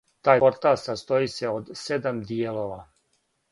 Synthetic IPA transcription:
t̪aːjo̞ɾt̪alsast̪o̞iseod̪se̞d̪amd̪ijelo̞ʋa

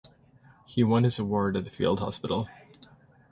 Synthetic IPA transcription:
hiwʌ̃nɨzəwɔɹɾɨt̪̚ðɨfḭlˠd̚hɑ̰spɪɾl̩ˠ

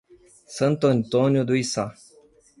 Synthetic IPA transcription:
sənt̪onʲt̪onʲjod̪uisa

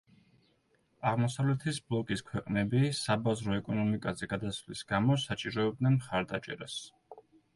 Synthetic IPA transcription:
aʁmɔsavlɛt̪ʰisblˠɔkʼiskʰwɛqʼnɛbisabazɾɔɛkʼɔnɔmikʼazɛɡad̪asvlisɡ̥amɔsat͡ʃʼiɾɔɛb̚d̪nɛnmχaɾd̪at͡ʃʼɛ̰ɾas

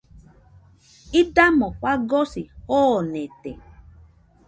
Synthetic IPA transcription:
idamɔɸaɡɔsihɔnɛtḛ

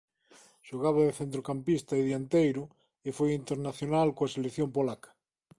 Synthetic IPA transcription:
ʃoɣ̞aβaðeθent̪ɾokampist̪aeðjant̪ejɾo | efojint̪eɾnaθjonalkoaselekθjompolakḁ

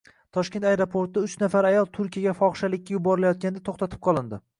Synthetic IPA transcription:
t̪ʰɒʃkʲe̞nt̪ajɾopʰoɾt̪ɪʊt͡ʃnafaɾajɒlˠt̪ʰʊɾkʲijaɡʲafɒχʃalɪkʲːajʊbɒɾɪlajɒt̪̚kʲanɪd̪at̪ʰoχt̪ʰat̪ʰɪ̥p̚qʰɒlˠɪnd̪ɪ

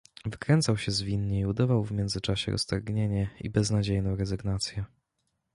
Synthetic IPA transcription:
vɘkɾɛnt̪sawɕɛzvʲinɲɛiud̪ɔvawvmʲjɛnd̪zɘt͡ʂaɕɛ̰ɾʔɔ̰st̪aɾɡɲeɲɛḭbɛznad͡ʑejnɔ̃w̃ɾɛzɘɡnat̪sʲjɛ

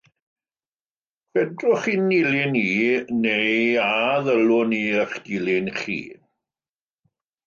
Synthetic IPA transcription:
kwɛdrʊχinilɪniːnejaðəlʊniːəχd̥ilɪnχḭː

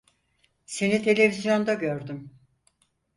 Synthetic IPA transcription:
se̞nit̪ʰe̞lʲe̞vizjo̞nd̪aɟøɾd̪ym

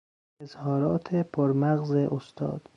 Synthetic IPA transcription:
ezhɒːɾɒːt̪ʰepʰoɾmæɣzeʔost̪ʰɒ̰ːd̪̥

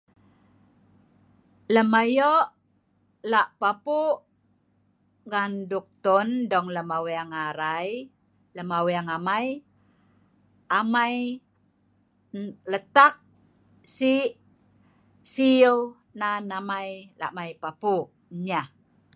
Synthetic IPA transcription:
ləmajɔʔ | laʔpapuʔ | ɡanduk̚t̪ɔndɔŋləmaweaŋaɾaj | ləmawiaŋamaj | amaj | lət̪ak̚ | siʔ | siw | nanamajla̰ʔmajpapuʔ | ɲa

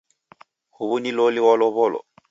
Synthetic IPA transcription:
huβunilɔliwɔlɔβɔlɔ̰

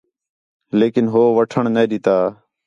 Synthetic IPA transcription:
leːkɪnɦoːʋəʈʰəɳneːɗɪt̪aː

